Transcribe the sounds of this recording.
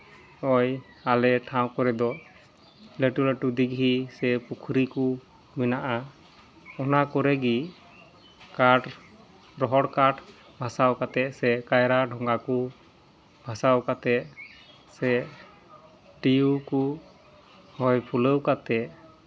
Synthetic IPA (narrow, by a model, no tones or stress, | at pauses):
ɔj | alɛʈʰaw̃kɔɾɛd̪ɔ | leʈuleʈud̪iɡɦisɛpukʰɾiku | minaʔa | ɔnakɔɾɛɡi | kaʈ | ɾɔɦɔɽkaʈ | bʱasawkat̪ɛsɛkajɾaɖʱɔŋɡaku | bʱasawkat̪ɛ | sɛ | ʈiuku | hɔjpʰuləwkat̪ɛʔ